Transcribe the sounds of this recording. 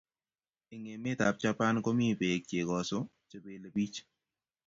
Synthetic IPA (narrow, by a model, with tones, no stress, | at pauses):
i˨ŋe˨me˦ta˨p̚t͡ʃa˦pa˦nkɔ˦mi˦˨pe˨k̚t͡ʃe˨kɔ˨sɔ˦ | t͡ʃa˨be˨la˨bi˦t͡ʃ